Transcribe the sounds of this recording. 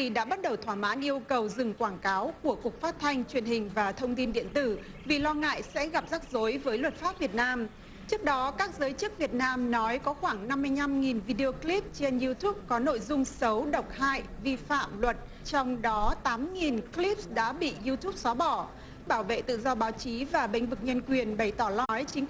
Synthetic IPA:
ti˨˩ɗa̰ː˧˥ɓa˦˥t̚ɗə˨˩wt̪ʰwaː˧˩ma̰ː˧˥nʔi˧əwkə˨˩wzɨ˨˩ŋkwaː˧˩ŋkaː˨˦wku˧˩əku˨˩ək̚faː˦˥t̚t̪ʰa˧jŋ̟t͡ɕwi˨˩ənhï˨˩ŋ̟vaː˨˩t̪ʰə˧wŋ͡mt̪i˧nɗḭ˧˨ənt̪ɨ˧˩ | vi˨˩lɔ˧ŋa̰ː˧˨jsɛ̰˧˥ɣa˨˩p̚zaː˦˥k̚zo˨˦jvəː˨˦jlwə˨˩t̚faː˦˥p̚vi˨˩ət̚naː˧m | t͡ɕɨ˦˥ək̚ɗɔ˨˦kaː˦˥k̚zəː˨˦jt͡ɕɨ˦˥k̚vi˨˩ət̚naː˧mnɔ˨˦jkɔ˨˦xwaː˧˩ŋna˧mːɨ˧əjɲa˧mŋi˨˩nvi˧ɗi˧o˧kli˦˥p̚t͡ɕe˧nzi˧t̪u˦˥p̚kɔ˨˦no̰˧˨jzʊ˧ŋ͡msə˨˦wɗə˨˩wk͡p̚ha̰ː˧˨j | vi˧fa̰ː˧˨mlwə˨˩t̚ | t͡ɕɔ˧wŋ͡mɗɔ˨˦t̪aː˨˦mŋi˨˩nkli˦˥p̚sɗa̰ː˧˥ɓḭ˧˨zi˧t̪ʰu˦˥p̚sɔ˨˦ɓɔ˧˩ | ɓaː˧˩wvḛ˧˨t̪ɨ̰˧˨zɔ˧ɓaː˨˦wt͡ɕi˨˦vaː˨˩ɓï˧˩jŋ̟vɨ˨˩k̚ɲə˧nkwi˨˩ənɓə˧˩jt̪ɔ˧˩lɔ˨˦jt͡ɕï˨˦ŋ̟

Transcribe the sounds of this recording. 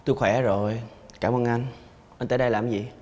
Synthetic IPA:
t̪u˧jxwɛ˧˩˦zo˨˩jkaː˧˩˨mʔəː˧nʔa˧jŋ | ʔa˧nt̪əː˧˦ɗə˧jlaː˨˩mzi˨˩

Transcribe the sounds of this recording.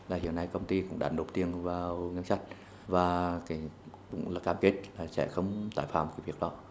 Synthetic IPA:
laː˨˩hḭ˧˨ənːa˧jkə˧wŋ͡mt̪i˧kʊ̰˧˥ŋ͡mɗa̰ː˨˩nɗo˨˩p̚t̪i˧əŋvaː˨˩wŋə˧nsa˦˥t̟̚ | vaː˨˩kaː˨˦jkʊ̰˧˥ŋ͡mlaː˨˩kaː˧mke˦˥t̚laː˨˩sɛ̰˧˥xə˧wŋ͡mt̪a̰ː˧˩jfaː˧˩mkaː˨˦vi˨˩ək̚ɗɔ˨˦

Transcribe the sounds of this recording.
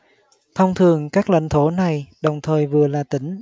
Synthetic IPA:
t̪ʰɔ˧wŋ͡mt̪ʰɨ˨˩əŋkaː˦˥k̚la̰˧˥˦ŋ̟t̪ʰo˧˦na˨˩jɗə˨˩wŋ͡mt̪ʰəː˨˩jvɨ˨˩əlaː˨˩t̪ï˧˦ŋ̟

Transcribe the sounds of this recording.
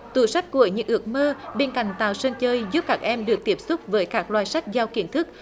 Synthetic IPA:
t̪ṵ˧˩sa˦˥jk̟̚ku˧˩əɲɨ̰˧˥ŋʔɨ˨˥ək̚məː˧ɓe˧nka̰˧˨jŋ̟t̪a̰ː˧˨˩wsəː˧nt͡ɕəː˧jzu˦˥p̚kaː˦˥k̚ʔɛ˧mɗɨ˨˩ək̚t̪i˦˥əp̚sʊ˦˥k͡p̚vəː˨˦jkaː˦˥k̚lwaː˧˨˩jsa˦˥jk̟̚zaː˧wki˧˩ənt̪ʰɨ˦˥k̚

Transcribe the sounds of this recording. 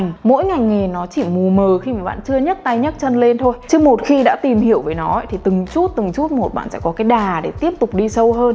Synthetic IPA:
ŋ̟mo̰˧˥jŋa˨˩jŋe˨˩nɔ˨˦t͡ɕi˧˩mu˨˩əməː˨˩xi˧maː˨˩ɓa̰ː˧˨nt͡ɕɨ˧əɲə˦˥t̚t̪a˧jɲə˦˥t̚t͡ɕə˧nle˧nt̪ʰo˧jt͡ɕɨ˨˧mo˨˩t̚xi˧ɗa̰ː˧˥t̪i˨˩mhi˧˩əwvəː˨˦jnɔ˨˦ə˧˥t̪ʰi˨˩t̪ɨ˨˩ŋt͡ɕu˦˥t̚t̪ɨ˨˩ŋt͡ɕu˦˥t̚mo˨˩t̚ɓa̰ː˧˨nsɛ̰˧˥kɔ˨˦kaː˨˦jɗaː˨˩ɗe˧˩t̪i˦˥əp̚t̪ʊ˨˩k͡p̚ɗi˧sə˧wɦəː˧n

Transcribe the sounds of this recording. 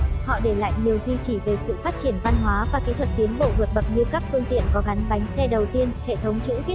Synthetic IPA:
hɔ̰˧˨ɗe˧˩la̰ː˧˨jɲi˨˩əwzwi˧t͡ɕi˧˩ve˨˩sɨ̰˧˨faː˦˥t̚t͡ɕi˧˩ənva˧nɦwaː˨˦vaː˨˩ke˨˦t̪ʰwə˨˩t̚t̪i˨˦ənɓo̰˧˨vɨ˨˩ək̚ɓə˨˩k̚ɲɨ˧ka˦˥p̚fɨ˧əŋt̪ḭ˧˨ənkɔ˨˦ɣa˨˦jŋ̟ɓa˨˦jŋ̟sɛ˧ɗə˨˩wt̪i˧ənhḛ˧˨t̪ʰə˨˦wŋ͡mt͡ɕɨ̰˧˥i˦˥

